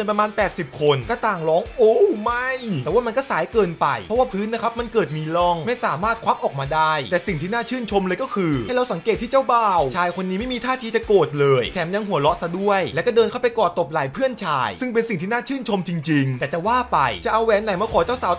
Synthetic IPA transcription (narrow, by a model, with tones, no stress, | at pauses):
npɾa˧maː˧npɛː˨˩t̪̚si˨˩p̚kʰo˧nkɔː˥˩t̪aː˨˩ŋlɔː˦˥ŋʔoː˧˥ma˥˩jt̪ɛː˨˩waː˥˩ma˧nkɔː˥˩saː˨˦jkɤː˧npa̰˧jpʰɔ˦˥waː˥˩pʰɯː˦˥nːa˦˥kʰa˦˥p̚ma˧nkɤː˨˩t̪̚miː˧lɔ˥˩ŋma˥˩jsaː˩˦maː˥˩t̪̚kʰaː˦˥p̚ʔɔː˨˩k̚maː˧daː˥˩jt̪ɛː˨˩si˨˩ŋt̪ʰiː˥naː˥˩t͡ɕʰɯː˥˩nt͡ɕʰo˧mlɤː˧jkɔː˥˩kʰɯː˧˥˩jɾa˧wsa˩˦ŋkeː˨˩t̪ʰːiː˥˩t͡ɕa˥˩wbaː˥˩wt͡ɕʰaː˧jkʰo˧nːiː˦˥m˥˩jmiː˧t̪ʰaː˥˩iː˧t͡ɕa˨˩koː˨˩t̪̚lɤː˧jt̪ʰɛː˩˦mja˧ŋɦu˨˩˦lɔ˦˥ʔsa˧du˥˩əjlɛ˦˥wkɔ˥˩dɤː˧nkʰa˥˩pa˧jkɔː˨˩t̪ːo˨˩p̚laː˨˩˦jpʰɯ˥˩ənt͡ɕʰa̰ː˧jsɯ˥˩ŋpe˧nsi˨˩ŋt̪ʰiː˥˩naː˥˩t͡ɕʰɯː˥˩nt͡ɕʰo˧mt͡ɕi˧ŋt͡ɕi˧ŋɛː˨˩t͡ɕa˨˩waː˥˩pa̰˧jt͡ɕa˨˩ʔa˧wɛː˨˦nːa˨˩˦jmaː˧˩kʰɔː˨˩˦t͡ɕaː˥˩wsaː˨˦w